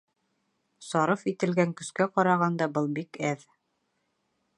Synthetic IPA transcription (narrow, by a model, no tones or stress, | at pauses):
sɑɾɤfit̪ɘ̆lɡæŋkɵ̆skæqɒɾɑʁɑnd̪ɑbɤlˠbikæð